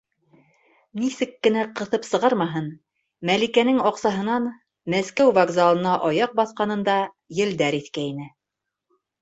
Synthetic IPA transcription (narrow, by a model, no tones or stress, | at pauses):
nisɘkːɘ̆næqɤ̆θɤpsɤ̆ʁɑɾmɑɦɤn | mælikænɘŋɑqsɑɦɤ̆nɑn | mæskæwvaɡzalˠɤ̆nɑʔɑjɑq̚bɑθqɑnɤ̆nd̪ɑ | jɘ̆ld̪æɾiθkæinɘ